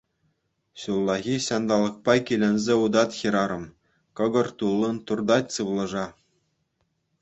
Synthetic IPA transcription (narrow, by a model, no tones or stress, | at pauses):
ɕulˠːɑɣʲiɕɑnd̪ɑlˠːɤ̆k̚pɑkʲilʲɘ̆nʲzʲeud̪ɑt̪xʲiɾɑɾɤ̆m | kɤ̆ɡɤ̆rt̪ulˠːɤnt̪urd̪ɑtʲsɯʋlˠɤ̆ʐɑ